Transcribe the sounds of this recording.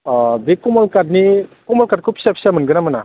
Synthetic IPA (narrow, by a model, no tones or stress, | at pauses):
bekɔmɔlkad̚nikɔmɔlkaɾ̚kʰupsep̚samɯnɡɯnamɯna